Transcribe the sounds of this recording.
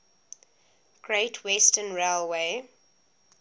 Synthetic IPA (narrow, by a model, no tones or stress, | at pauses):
ɡ̥ɹeɪtʰwɛstənɹeɪlweɪ